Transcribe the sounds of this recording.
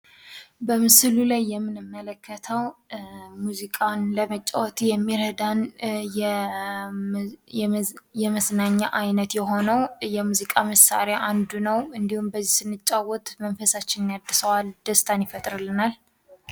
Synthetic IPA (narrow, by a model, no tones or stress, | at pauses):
bəmɨsɨlulajːɛmːɨnɨmːələkʰːət̪ʰəw | muzikʼanləmət͡ʃʼːa̰wɔt̪ʰijɛmːiɾəd̪anj | jɛməsnaɲːaʔajnət̪jɛɦo̞nəwjɛmuzikʼaməsa̰ɾaʔand̪unəwɨnd̪ihumbəzːisɨnːɨt͡ʃʼːawɔt̪mənfəsat͡ʃːɪnnjad̪ːɨsəwald̪̥əst̪ʰʼanjɪfət̪ʼɾɨlːɨnal